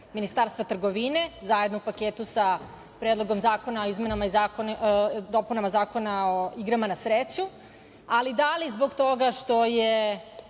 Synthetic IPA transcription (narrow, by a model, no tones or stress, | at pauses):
minist̪aːɾst̪vat̪r̩ɡo̞ʋine̞zaje̞d̪noupakeːt̪usa | pɾed̪lˠo̞ɡo̞mzaːko̞naoizme̞namaizakod̪o̞punamazaːko̞naoiɡɾamanasɾeːt͡ɕu | alid̪alizbo̞ɡt̪o̞ɡaʃt̪o̞je